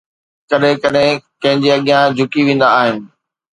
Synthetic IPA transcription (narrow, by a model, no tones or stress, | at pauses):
kɐɗɦɪ̃kɐɗɦẽkɐ̃ɦɪ̃ɲd͡ʑeɐɠɪjãd͡ʑʱʊkiʋẽːn̆d̪aːɦɪnɪ̆